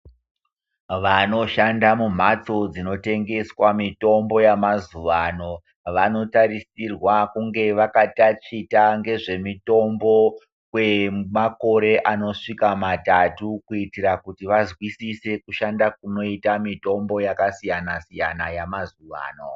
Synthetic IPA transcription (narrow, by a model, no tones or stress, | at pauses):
ʋano̞ʃandamum̤at͡so̞d͡zino̞te̞ŋɡe̞swamito̞mbo̞jamazuʋano̞ | ʋano̞taɾisirwakuŋɡe̞ʋakatat͡ʂitaŋɡe̞ʐe̞mito̞mbo̞ | kwe̞mako̞ɾe̞ʔano̞ʂikamatatukuitiɾakutiʋazwisise̞kuʃandak̚uno̞itamito̞mbo̞jakasijanasijanajamazuʋa̰ːno̞̰